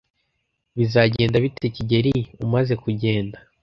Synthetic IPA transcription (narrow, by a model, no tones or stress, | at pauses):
βizaɟe̞ːndaβiteciɟe̞ɾiumaze̞kuɟe̞ːnda